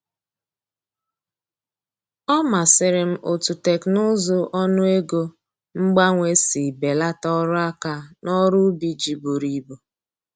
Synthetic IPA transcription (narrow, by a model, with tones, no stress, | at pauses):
ɔ˦ma˨sɪ˨ɾɪ˨m̩˦ʔo˨tu˨te˨knʊ˦zʊ˦ʔɔ˦nʊ˦e˦ɡo˦ | ŋ͡m̩˦ɡ͡ba˦ŋʷe˦si˨be˨la˦tɔ˦ɾʊ˦a˦ka˨nɔ˦ɾu˦bi˦d͡ʒi˨bu˨ɾi˨bo˨